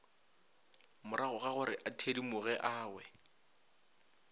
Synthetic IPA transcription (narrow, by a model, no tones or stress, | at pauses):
mʊɾaɣʊɣaɣʊɾɪʔatʰedimʊɣɛʔaːwɛ